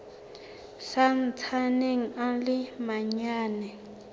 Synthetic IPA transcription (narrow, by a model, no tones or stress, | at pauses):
san̩t͡sʰaneŋ̩alɪmaɲaːnɛ